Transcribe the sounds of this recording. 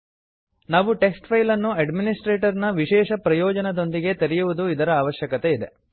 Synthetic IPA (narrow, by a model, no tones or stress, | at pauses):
naːʋuʈe̞ksʈpʰɐjlɐnːuɐɖminisʈɾeːʈɐɾnɐʋiʃɛːʃɐpɾɐjɔːd͡ʒɐnɐd̪o̞nd̪iɡe̞t̪ɐɾɛjuʋud̪uid̪ɐɾɐaːʋɐʃjɐkɐt̪e̞id̪e̞